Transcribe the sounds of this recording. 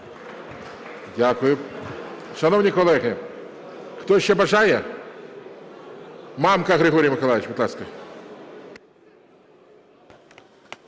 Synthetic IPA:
dʲakʊjʊ | ʂɐnovnʲɪkɔlˠɛɣə | kt̪ojɪɕːebɐʐajə | mamkɐɣɾʲɪɣoɾʲijmɪkɐlˠajɪt͡ɕbʲɪt̪lˠaskə

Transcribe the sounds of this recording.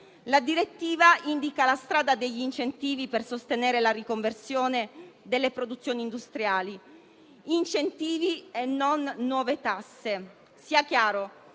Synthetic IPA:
lad̪iɾet̪ːiːvaind̪ikalast̪ɾaːd̪ad̪eʎːint͡ʃent̪iːvipersost̪eneːɾelaɾikoɱversjoːned̪elːepɾod̪ut̪sːjoːnind̪ust̪ɾjaːli | int͡ʃent̪iːvienːonːwɔːvet̪asːe | siːakjaːɾo

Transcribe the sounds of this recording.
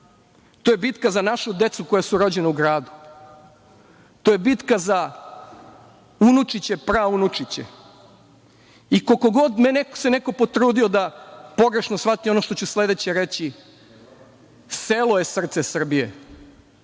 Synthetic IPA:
t̪oːjebit̪kazanaʃud̪et̪suko̞jasuɾo̞d͡ʑeneuɡɾaːd̪u̥ | t̪ojebit̪kaza | unut͡ʂit͡ɕepɾaunut͡ʂit͡ɕḛ | ikokoɡo̞d̪menekseneko̞po̞t̪ɾuːd̪io̞d̪apo̞ɡɾe̞ʃnosfat̪io̞noʃt̪o̞t͡ɕusle̞d̪et͡ɕeɾet͡ɕi | seloje̞sr̩t̪se̞sr̩bijḛ

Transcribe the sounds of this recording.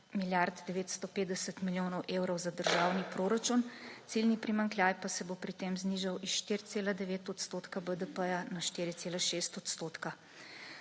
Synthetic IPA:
miljaɾd̪d̪ɛʋeːt̪st̪ɔpeːd̪d̪ɛsət̪miljoːnɔwʔewɾɔwzad̪əɾʒawnipɾoːɾat͡ʃunt̪silnipɾimaŋkljaːjpasɛbopɾit̪emzniːʒawisʃt̪iɾt̪seːlad̪ɛʋeːt̪ɔt̪st̪oːt̪kabəd̪əpəjanaʃt̪iɾit̪seːlaʃeːst̪ɔt̪st̪oːt̪ka

